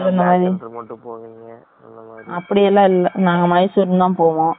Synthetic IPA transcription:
ʋɐnd̪ɐmaːðɾi | ɐpːɐɽɪjɛlːãːɪlːɐnaːŋɡɐmaːdisʊɾnd̪ãːpoːʋõː

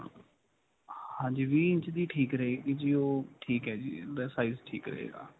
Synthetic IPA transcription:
hãːɲd͡ʒiːʋiːɪ̃nt͡ʃd̪iːʈʰiːkɾəɦeːɡid͡ʒiːoːʈʰiːkɦɛːd͡ʒḭːɾɛːsaːiːzʈʰḭːkɾə̰ɦḛːɡa̰ː

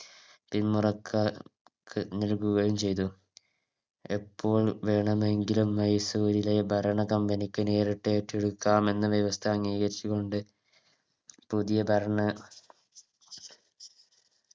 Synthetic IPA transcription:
pinmurɐkʰːɐ | kːɨnilkuɣɐjumt͡ɕe̞jt̪̬u | epʰːo̞ːɭʋe̞ːɳɐme̞ŋɡilumːɐjsuːɾilɐjɐbʱɐɾɐɳɐkɐmbɐnikʲːɨne̞ːriʈːeːʈːeɽukːaːme̞nːɨʋjeʋɐst̪ʰɐŋːiːɣɐɾit͡ɕːukːo̞ɳɖɨ | puðijɐbʱɐɾɐɳɐ

